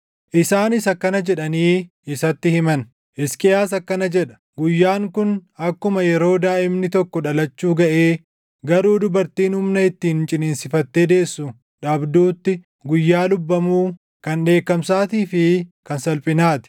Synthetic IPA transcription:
ʔɪsaːnɪsɐkːɐnɐd͡ʒɛᶑɐniː | ɪsɐt̪ːɪhɪmɐn | ʔɪskʼɪjaːsɐkːɐnɐd͡ʒɛᶑɐ̥ | ɡʊjːaːŋkʊnɐkːʊmɐjɛɾo̞ːd̪aːʔɪmnɪt̪ɔkːɔᶑɐlɐt͡ʃːuːɡɐʔe̞ː | ɡɐɾuːd̪ʊbɐɾt̪iːnhʊmnɐɪt̪ːiːnt͡ʃʼɪneːnsɪfɐt̪ːe̞ːd̪e̞ːsːʊ | ᶑaːbd̪uːt̪ːɪ | ɡʊjːaːlʊbːɐmuː | kɐnᶑe̞ːkːɐmsaːt̪iːfɪkɐnsɐlpʼɪnaːt̪ɪ̥

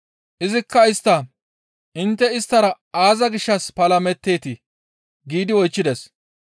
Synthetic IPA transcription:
ʔɪzɪkːɐɪst̪ːɐ | ʔɪnt̪ːɛɪst̪ːɐɾɐ | aːzɐɡɪʃːɐspɐlɐmɛt̪ːe̞ːt̪ɪ | ɡiːd̪ɪwɔjt͡ʃːɪd̪ɛs

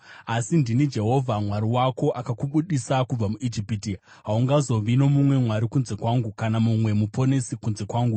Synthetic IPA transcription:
asindinid͡ʒe̞ɦo̞vʱamwaɾiwako̞ʔakakuɓuɗisakub͡vamuʔid͡ʒipiti | ɦauŋɡazo̞ʋino̞mumwe̞mwaɾikunze̞kwaːŋɡukanamumwe̞mupʰo̞ne̞sikunze̞kwaːŋɡu

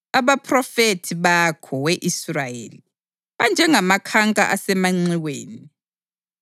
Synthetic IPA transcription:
aβapʰʼrɔfetʰiβakʰɔweʔisrajḛːli | βand͡ʒʱɛŋamakʰaŋkʼa̰ʔasɛmaŋ͡ǀiweːni

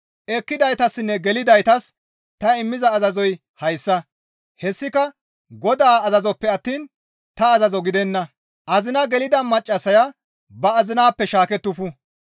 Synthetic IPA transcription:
ʔɛkːɪd̪ɐjt̪ɐsːɪnːɛɡɛlɪd̪ɐjt̪ɐs | t̪ɐɪmːɪzɐːzɐzɔj | hɐjsːɐ | hɛsːɪkɐ | ɡɔd̪aːɐzɐzɔpːɛɐt̪ːiːn | t̪ɐːzɐzɔɡɪd̪ɛnːɐ | ʔɐzɪnɐɡɛlɪd̪ɐmɐt͡ʃʼːɐsɐjɐ | bɐːzɪnaːpːɛʃaːkɛt̪ːʊfʊ

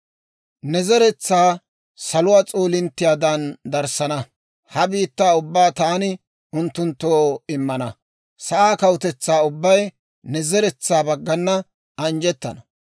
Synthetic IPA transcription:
nɛzɛɾɛt͡sːaː | sɐlʊwaːt͡sʼoːlɪnt̪ːɪjaːd̪ɐnd̪ɐɾsɐnɐ | hɐbiːt̪ːaːʊbːaːt̪aːnɪ | ʊnt̪ːʊnt̪ːoːɪmːɐnɐ | sɐʔaːkɐwʊt̪ɛt͡sːaːʊbːɐj | nɛzɛɾɛt͡sːaːbɐɡːɐnːɐ | ɐnd͡ʒɛt̪ːɐ̰nɐ

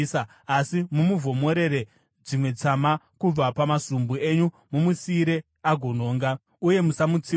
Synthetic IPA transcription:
sa | asimumuvʱo̞mo̞ɾe̞ɾe̞ | d͡zimwe̞t͡sama | kub͡vapamasumbue̞ɲu | mumusiɾe̞ | aɡʱono̞ːŋɡa | uje̞musamut͡si

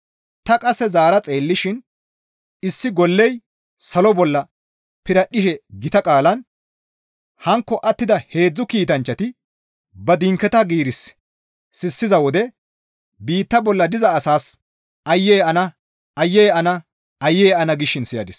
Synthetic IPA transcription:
t̪ɐkʼɐsːɛzaːɾɐt͡sʼeːlːɪʃɪn | ɪsːɪɡɔlːɛj | sɐlɔbɔlːɐ | pɪɾɐɗɪʃɛɡɪt̪ɐkʼaːlɐn | hɐŋkːɔʔɐt̪ːɪd̪ɐhe̞ːd͡zːʊkiːt̪ɐnt͡ʃːɐt̪ɪ | bɐd̪ɪŋkːɛt̪ɐɡiːɾɪsː | ɪsːɪzɐwɔd̪ɛ | biːt̪ːɐbɔlːɐd̪ɪzɐːsaːs | ɐjːeːɐnɐ | ɐjːeːɐnɐ | ɐjːeːɐnɐɡɪʃɪnsɪjɐd̪ɪs

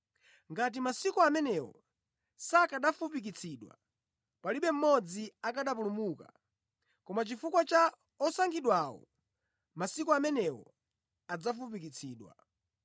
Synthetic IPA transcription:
ŋɡat̬imasikɔamɛnɛwɔ̰ | sakaɗafup̬ik̬it͡sʰiːɗwa̰ | paliɓɛm̩mɔd͡ziakaɗap̬ulumuka̰ | kɔmat͡ʃifukwat͡ʃa | ɔsaŋɡiɗwawɔ̰ | masikɔamɛnɛwɔ̰ | ad͡zafup̬ik̬it͡sʰiːɗwa̰

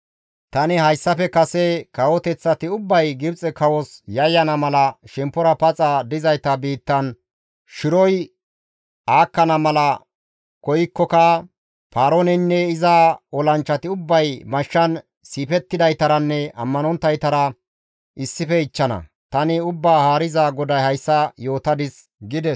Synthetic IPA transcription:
t̪ɐnɪhɐjsːɐfɛkɐsɛkɐwɔt̪ɛt͡sːɐt̪ɪʊbːɐjɡɪbt͡sʼɛkɐwɔsjɐjːɐnɐmɐlɐʃɛmpːɔɾɐpɐt͡sʼɐd̪ɪzɐjt̪ɐbiːt̪ːɐn | ʃɪɾɔj | aːkːɐnɐmɐlɐ | kɔjɪkːɔkɐ | paːɾonɛnːɛɪzaɔlɐnt͡ʃːɐt̪ɪʊbːɐjmɐʃːɐn | siːpɛt̪ːɪd̪ɐjt̪ɐɾɐnːɛʔɐ̰mːɐnɔnt̪ːɐjt̪ɐɾɐ | ʔɪsːɪfɛɪt͡ʃːɐnɐ̰ | t̪ɐnɪʊbːaːhaːɾɪzaɡɔd̪ɐjhɐjsːɐjo̞ːt̪ɐd̪ɪs | ɡɪd̪ɛs

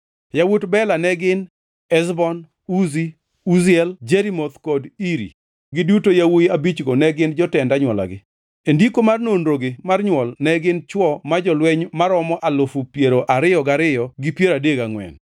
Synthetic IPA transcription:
jawutbɛlanɛɡɪn | ɛzbɔn | uzi | uziɛld͡ʒeɾimot̪kɔdiɾḭ | ɡɪdutojawojabit͡ʃɡonɛɡɪnd͡ʒɔtɛndaɲwɔla̰ɡɪ̰ | endikomarnonɾoɡɪmarɲwɔlnɛɡɪnt͡ʃwɔmad͡ʒɔlwɛɲmaɾɔmɔʔalofupjeɾoʔaɾɪjɔɡaɾɪjɔɡɪpjeɾadeɡaŋwɛ̰n

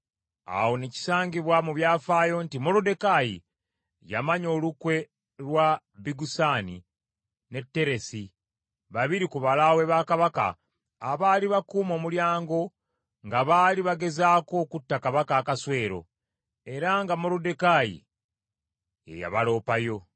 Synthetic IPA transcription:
a̰wo̞neci̥saːɲɟiβwamuβjaːfaːjo̞ntimo̞ɾode̞kajḭ | jamaɲo̞ːlukwe̞ | lwa | biɡusaːni | ne̞tːe̞ɾe̞si | βaβiɾikuβalawe̞βaːkaβaka̰ː | βaliβakuːmo̞ːmuljaːŋɡo̞ | ŋɡaβaːliβaɡe̞zaːko̞ːkutːakaβakaːkaswe̞ːɾo̞̰ | e̞ɾaŋɡamo̞ɾode̞kajḭ | ḛja̰βalo̞ːpajo̞

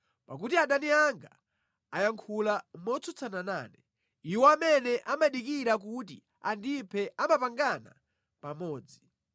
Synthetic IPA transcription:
pak̬utiaɗaniaŋɡa | ajaŋkʰulamɔt͡sʰɔt͡sʰanana̰ːnɛ | iwɔamɛnɛʔamaɗikiɾak̬uti | andipʰɛʔamapaŋɡana̰ | pamɔːd͡zi

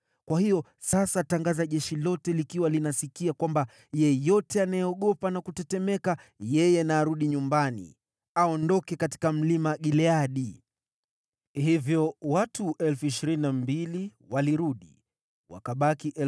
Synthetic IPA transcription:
kwahijɔ | sasataŋɡazaʄɛʃilɔtɛlikiwalinasikiakwamba | jɛjɔtɛanajɛɔɠɔpanakutɛtɛmɛkajɛjɛnaɾuɗiɲumbanḭ | aɔndɔkɛkati̥kam̩limaɠilɛaɗi | hivjɔwatuʔɛlfuiʃiɾininambili | waliɾuɗi | wa̰kaɓakiʔɛ

